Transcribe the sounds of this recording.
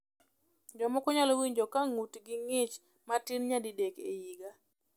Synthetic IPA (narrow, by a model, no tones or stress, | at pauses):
d͡ʒɔmɔkʊɲalowiɲd͡ʒɔkaŋutɡɪŋɪt͡ʃ | matinɲadidɛkḛjiɡa